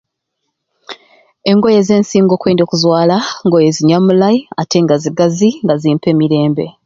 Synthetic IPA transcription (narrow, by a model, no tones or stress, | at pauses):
e̞ŋɡo̞je̞ze̞ːnsiːŋɡo̞ːkweːndo̞ːkuzwaːlaŋɡo̞je̞ziɲamulaiate̞ŋɡaziɡaziŋɡaziːmpe̞ːmiɾe̞ːmbe̞̰